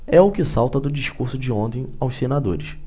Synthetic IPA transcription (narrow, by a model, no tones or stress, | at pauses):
ɛʊkɪsawt̪ɐd̪ʊd͡ʒiʃkuɾsʊd͡ʒɪõnt̪ẽj̃awssenad̪o̰ɾɪʃ